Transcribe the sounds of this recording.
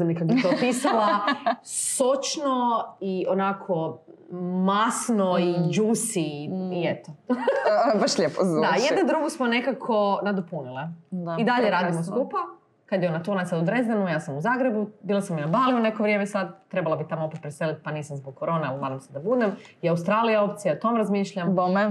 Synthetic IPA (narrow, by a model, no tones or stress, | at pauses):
namnikakbit̪opiːsala | sot͡ʃnoionakʰo̞ | masnoid͡ʒuːsiiet̪o | baʃʎepozdd̪ajed̪nad̪ɾuɡusmone̞kakʰo̞nad̪opunilˠeid̪aʎeɾaːd̪imoskupa | kad̪jɛonat̪onasad̪ud̪ɾezd̪enujaːsamuzaːɡɾebubiːlˠasamːinabaːliune̞koʋɾjeːmesad̪̚t̪ɾe̞balˠabit̪amoo̞pet̪̚pɾeselit̪̚paniːsamzbok̚kːoɾo̞ːnelmad̪omsed̪abud̪emiaust̪ɾaːlijao̞p̚t̪sijaot̪o̞mɾazmiːʃʎambome